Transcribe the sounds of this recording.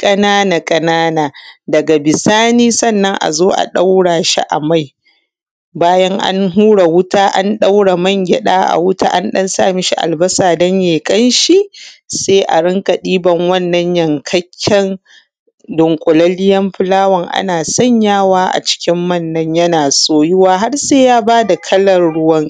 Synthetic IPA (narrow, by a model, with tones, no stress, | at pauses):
kʼɐ˦naː˦na˨kʼɐ˦naː˦naː˨dɐ˨ɡa˨bɪ˨saː˦niː˦sɐ˦˨nːɐ˦ŋʔa̰˨zoː˦ʔa̰˨ɗa˦wɽaː˨ʃḭ˦ʔa̰˨ma˦˨j | baː˦jɐ˦ŋʔa̰˦nɦuː˦ɽa˨wʊ˦taː˦ʔa˦nɗa˦wɽa˨mɐ˦˨ŋɡʲɛ˨ɗaː˦ʔa̰˨wʊ˦ta̰ː˦ʔa˦nɗɐ˦nsa̰ː˦˨meː˦ʃi˦ʔa̰˨lbɐ˦saː˨dɐ˦ɲjeː˨kʼɐ˦nʃi˦seː˦ʔa̰˨ɽɪ˦ŋkɐ˨ɗiː˦bɐ˨ŋwɐ˦˨nːɐ˦ɲjɐ˨ŋkʰɐ˦kʲʰːɛ˦n | dʊ˨ŋkʷʼʊ˨lɐ˦lɪ˦jɐ˦mɸɪ˦laː˦wɐ˨ŋʔa̰˦naː˨sɐ˦˨ɲjaː˦waː˦ʔa̰˨t͡ʃɪ̥˦kʲɪ˦mːɐ˦˨nːɐ˦ɲjɐ˦naː˨soː˦jʊ˦waː˦ɦa˦rseː˦jaː˦baː˦da˨kʰɐ˦lɐ˨rɽʊ˦wɐ˦ŋ